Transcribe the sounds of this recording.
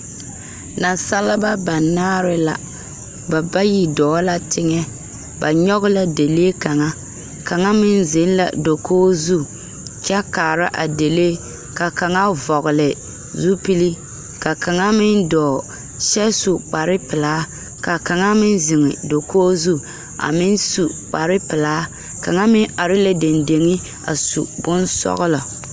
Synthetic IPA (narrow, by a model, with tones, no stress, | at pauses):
na˨sa˦la˦ba˦ba˨naː˦ɾɪ˦la˨ | ba˨ba˦ji˨dɔː˨˦la˦tɪ˦ŋɛ˦ | ba˨ɲɔ˦ɣʊ˦la˦de˨le˦ka˨ŋa˦ | ka˨ŋa˦mɪ˦n˦zɪ˨˦n˦la̰˨do˨kʰoː˦zu˦ | kʲɛ˦kaː˨ɾa˦ʔa˨de˨leː˦ | ka˨ka˨ŋa˦vɔ˨ɣʊ˨lɪ˨ | zu˦pi˦li˦ | ka˨ka˨ŋa˦mɪ˦ndɔː˨ | ʃɛ˦su˨k͡pa˨ɾɪ˦pɪ˨laː˦ | ka˨ka˨ŋa˦mɪ˦nzɪ˨ŋɪ˨do˨kʰoː˦zu˦ | a̰˨mɪ˦nsu˨k͡pa˨ɾɪ˦pɪ˨laː˦ | ka˨ŋa˦mɪ˦na˨ɾɪ˦la˦de˨nde˨ŋɪ˦ | a̰˨sṵ˨bʊ˦nsɔ̰˦ɣʊ˦la˨